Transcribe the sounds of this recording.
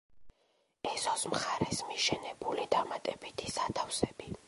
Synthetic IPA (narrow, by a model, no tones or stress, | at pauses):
ɛsɔsmχaɾɛsmiʃɛnɛbulid̪amat̪ʼɛbit̪ʰisat̪ʰafsɛbi